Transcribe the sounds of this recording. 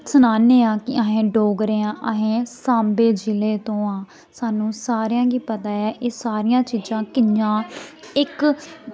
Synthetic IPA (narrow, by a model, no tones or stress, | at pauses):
sənaːneːãːkɪaɦẽːɖoːɡɾeːãːʔəɦẽːsãːmbeːd͡ʒɪleːt̪õːãː | saːnũːsaːɾjãːɡiːpət̪aːɛːʔeːsaːɾɪjãːt͡ʃiːd͡ʒãːkɪd͡ʒãːɪk